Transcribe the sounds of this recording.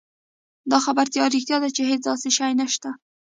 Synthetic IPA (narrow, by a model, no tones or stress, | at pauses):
d̪ɑxabaɾt̪jɑɾixt̪jɑd̪at͡ʃeɦet͡sd̪ɑseʃajnaʃt̪a